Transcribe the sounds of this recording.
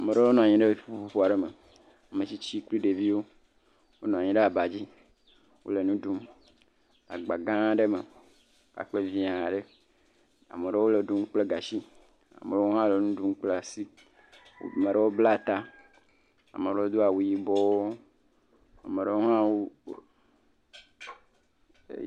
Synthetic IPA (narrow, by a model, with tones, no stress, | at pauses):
a˨me˨ɖe˦wo˦nɔ̃˨a˨ɲĩ˨ɖe˦i˦fu˦ɸu˦ɸo˦a˨ɖe˦me˨ | a˨mẽ˨t͡ɕi˦t͡ɕi˦kli˦ɖe˨vi˦wo˦ | wo˦nɔ̃˨a˨ɲĩ˨ɖe˦a˨ba˨d͡ʑi˦ | wʔo̰˦le˨nũ˦ɖu˦m | a̰˨ɡ͡ba˨ɡã˦ɖe˦me˨˦ | ka̰˨k͡pe˦vi˦a˨ɖe˦ | a̰˨me˨ɖe˦wo˦le˨ɖu˦m˦k͡ple˦ɡa˨ʃi˦ | a̰˨me˨e˦o˦ɦã˦le˨nũ˦ɖu˦ŋ˦k͡ple˦a˨sḭ˦˨ | mẽ˨ɖe˦wo˦bla˦˨t̪a˦ | a̰˨me˨ɖe˦wo˦d̪o˦a˨wu˨ji˦bɔ˦wo˦ | a̰˨me˨ɖe˦wo˦ɦã˦wo˦˨